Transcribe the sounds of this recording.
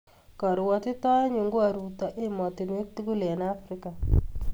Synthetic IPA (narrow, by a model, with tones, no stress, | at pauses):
kɔ˨ɾwɔ˨tɪ˦tɔ˦ɔ˦ɲu˨ŋɡo˦a˨ɾu˨ta˨ʔe˦mɔ˨tɪ˨n˦e˦k̚tu˦ɡu˦lɛ˨na˦fɾɪ˦ka˨